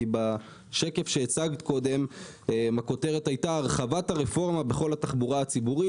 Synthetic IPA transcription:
iba | ʃe̞ke̞fʃeːt͡saɡt̪ko̞de̞m | mako̞te̞ʁe̞thajtaːʁχavataʁefo̞ʁmabe̞χo̞lataχbuʁaat͡sibuʁi

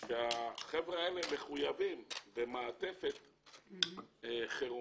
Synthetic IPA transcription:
ʃeaχevʁaeleme̞χujavimvemaːt̪e̞fet̪ | χeʁu

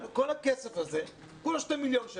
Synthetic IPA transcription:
kɐ̃ñɛkkːɛsɐfɐzeɾ | kũʃt̪ɐmiʎɐ̃w̃ʒ

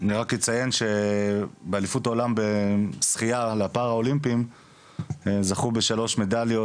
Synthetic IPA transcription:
aniʁakit͡saje̞nʃe̞ | bealifutao̞lambesχijaleapaʁhao̞limpim | ezaχube̞ʃalo̞ʃme̞daljo

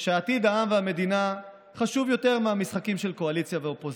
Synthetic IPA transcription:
ʃeaːt̪id̪aamveame̞d̪ina | χaʃuvjo̞te̞ʁmeamisχakimʃelko̞alit͡sjaveo̞po

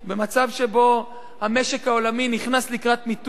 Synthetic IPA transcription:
be̞mat͡savʃebo̞ | hame̞ʃe̞khao̞laminiχnaslikʁat̪mit

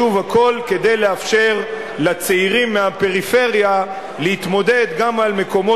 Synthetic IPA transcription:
uvako̞lke̞d̪e̞jleafʃe̞ʁ | lat͡seiʁimːehape̞ʁife̞ʁja | lehit̪mo̞d̪e̞d̪ɡamalme̞ko̞mo

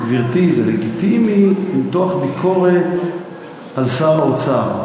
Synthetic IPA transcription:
viʁt̪izaleɡit̪imiit̪oaχbikʰo̞ʁet̪ | alsaʁaot͡sa

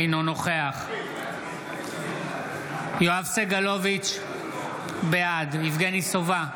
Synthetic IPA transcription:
inonoχeaχ | joavseɡalovit͡ʃ | bejad̪ivɡenisova

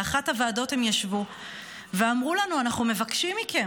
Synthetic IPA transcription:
aχathavaːdo̞the̞mjaʃvu | veamʁulanuanaχnume̞vakʃimike̞m

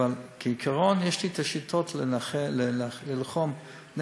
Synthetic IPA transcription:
alkʰeikʰaʁonjeʃlit̪aʃit̪ʰotllelilχom | n

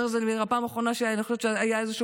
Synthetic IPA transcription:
ʁzelmiʁapaːmaχʁo̞naʃenexoʃeʃeajaezeʃu

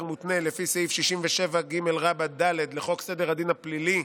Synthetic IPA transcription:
ʁmut̪nelefiseifʃiʃimveʃe̞vaɡime̞lʁabad̪aled̪leχo̞kse̞d̪eʁad̪inhaplili

